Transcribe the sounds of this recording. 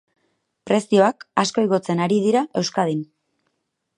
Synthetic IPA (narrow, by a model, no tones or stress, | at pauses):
pɾe̞sio̞akasko̞jɣo̞t͡se̞naɾið̞iɾaʔe̞wskað̞in